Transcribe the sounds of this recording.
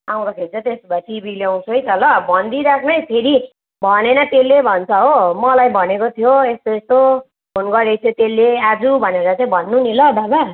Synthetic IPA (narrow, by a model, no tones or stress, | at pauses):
aw̃d̪ʌkʰelt͡sʰʌt̪esbʌsʰibiljaw̃t͡sʰuɦʌjt̪ʌlʌbʱʌnd̪iɾakʰnʌjpʰeɾi | bʱʌnenʌt̪elːebʱʌnt͡sʰʌɦomʌlajbʱʌnekot̪ʰjoest̪oest̪o | bʰonɡʌɾʌjt͡sʰʌt̪elːead͡zubʱʌneɾʌt͡saĩbʱʌnːunilʌd̪ʱaba